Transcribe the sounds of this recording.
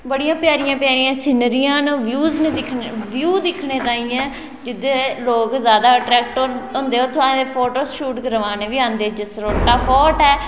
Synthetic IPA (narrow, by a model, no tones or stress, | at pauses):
bəɽijãːpjaːɾɪjãːpɪjaːɾiːãːsɪnəɾijãːnũʋjuːznẽd̪ɪkʰːʋjuːd̪ɪkʰɳeːt̪ãːĩːɛ̃ː | d͡ʒɪd̪eːloːkzjaːd̪aːəʈɾɛːk̚ʈoɾɦõnd̪eːɦoːt̪ʰʊãːepʰoːʈoːsʃuːʈɡəɾʋaːneːʋiːãːnd̪eːd͡ʒɪsɾoːʈːaːpʰɔːʈɛː